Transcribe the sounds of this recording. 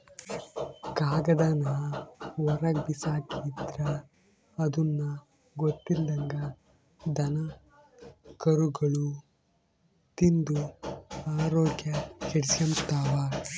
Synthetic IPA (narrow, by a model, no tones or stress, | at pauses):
ɡaːɡɐd̪ɐnɐʋɔɾɐɡ̚bisaːkiːd̪ɾɐː | d̪unːɐ | ɡot̪ːilːɐŋɡɐ | d̪ɐnɐ | kɐɾuɡɐɭu | t̪ind̪uaːɾoːɡjɐheɽsjɐmt̪aːʋaː